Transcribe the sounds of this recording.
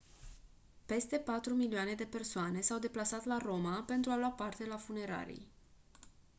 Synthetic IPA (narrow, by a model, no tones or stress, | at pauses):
pe̞st̪e̞pat̪ɾumilioane̞d̪e̞pe̞rsoane̞sawd̪e̞plasat̪laɾo̞mape̞nt̪ɾualwapart̪e̞lafune̞ɾa̰ɾḭj